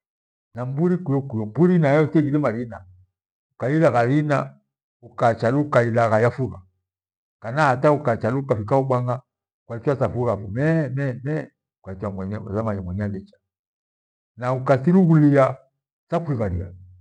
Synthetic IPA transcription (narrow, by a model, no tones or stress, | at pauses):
nambuɾikujɔkujɔmbuɾinajɔsɛɡilɛmaɾina | ukailaɣaɾina̰ | ukat͡ʃalukailaɣajafuɣa | kanaataukat͡ʃaluukafikaubaŋa | kwaifasafuɣafumɛmɛmɛ | kwatamwɛɲɛa̰zamaɲamwɛɲɛalɛt͡ʃḁ | naukasiɾuɣulia | sakwiɣaɾḭa̰